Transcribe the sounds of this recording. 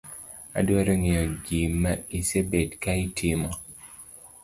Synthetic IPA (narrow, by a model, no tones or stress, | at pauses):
a̰dwɔɾɔŋiɔɡimːaisebetkaitʰimɔ